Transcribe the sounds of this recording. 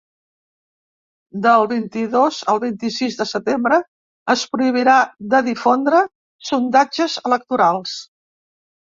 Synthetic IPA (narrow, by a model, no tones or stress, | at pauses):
d̪əlˠβint̪iðozəlˠβint̪isizðəsət̪embɾə | əspɾuiβ̞iɾaðəðifond̪ɾə | sund̪ad͡ʒəzələk̚t̪uɾalˠs